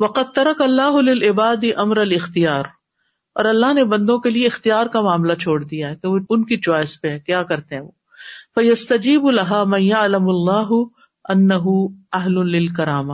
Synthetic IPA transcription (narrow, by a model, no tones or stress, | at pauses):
ʋɐqɐd̪̚t̪ɐɾɐkɐlːaːɦʊlɪlɪbaːd̪iʔɐmɾɐlɪxt̪ijaːɾ | ɔ̰ːɾɐlːaɦnebɐ̃nd̪õkelieɪxt̪ijaːɾkamaːmlat͡ʃʰoːɽd̪ijaɦɛkeoʊnkit͡ʃɔːɪspeɦɛ̃ːkjaːkɐɾt̪eɦɛ̃ʋoː | fɐjɐst̪ɐd͡ʒiːbʊlɐɦaːmɐ̃njaʕlɐmɐlːaːɦʊ | ɐnːɐɦuɐɦlʊlɪlkɐɾaːmɐ